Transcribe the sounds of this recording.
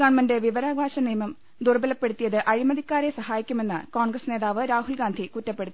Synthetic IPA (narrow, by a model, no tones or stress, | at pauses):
aːɳmɐndeʋiʋɐɾaːɡʋaːɕɐnijmɐm | d̪urbɐlɐpːe̞ɽut̪ːijɐðɨʔɐɻimɐðʱikʲːaːɾesɐhaːjikʲːume̞nːɨko̞ːɳɡrɐsne̞ːðaːʋɨɾaːɦulɡaːnd̪ʱikutːɐpːe̞ɽut̪ːi